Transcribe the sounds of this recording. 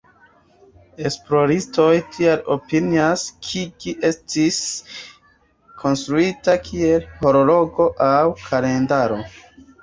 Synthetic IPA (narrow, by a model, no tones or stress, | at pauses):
e̞splo̞ɾisto̞jtʰialo̞piniaskʰikiʔe̞stis | kʰo̞nstɾuitakʰie̞lho̞ɾo̞lo̞ɡo̞ʔawkʰale̞ndaɾo̞